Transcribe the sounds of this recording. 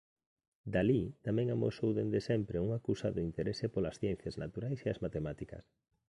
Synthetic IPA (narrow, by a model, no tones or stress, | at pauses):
d̪alit̪amɛ̃ŋamo̰sowðend̪esɛmpɾeuŋakusaðʊint̪eɾesepolasθjɛn̟θjaznat̪uɾajseazmat̪emat̪ikɐ̰s